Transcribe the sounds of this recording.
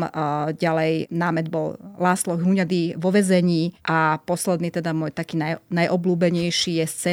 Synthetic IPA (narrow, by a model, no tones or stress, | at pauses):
ɟalɛjnaːmɛd̪̚bɔllaːslɔɦuɲad̪iʋɔʋɛzɛɲiːʔapɔslɛd̪niːt̪ɛd̪amʊɔːjt̪akiːnajnajʔɔbluːbɛɲɛjʃijɛst͡sɛ